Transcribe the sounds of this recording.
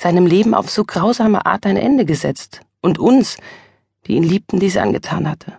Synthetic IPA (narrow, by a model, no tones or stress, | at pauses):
z̥aɪnəmleːbm̩a̰ʊfz̥oːɡʁaʊzaːmə̰ʔa̰ːɐtaɪnʔɛ̰ndəɡəzɛ̰t͡st | ʔʊntʔʊns | d̥ḭːiːnliːp̚tn̩diːziːʔa̰nɡətʰa̰ːnhatʰə